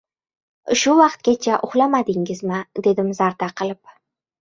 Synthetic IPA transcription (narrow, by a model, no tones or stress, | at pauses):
ʃʊwɑqt̪̚kʲat͡ʃʰaʔʊχlˠamad̪ɪŋɪzmɪd̪e̞d̪ɪmzaɾt̪aqʰɨlˠɪp̚